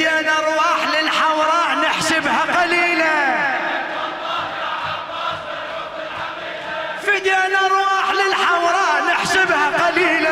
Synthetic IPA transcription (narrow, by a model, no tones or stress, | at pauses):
janʔɑɾˤwɑːħlɪlħawɾˤɑnɪħsɪbhaqɑliːla | fɪdjaːnʔɑɾˤwɑːħlɪlħawɾˤɑnɪħsɪbhaqɑliːla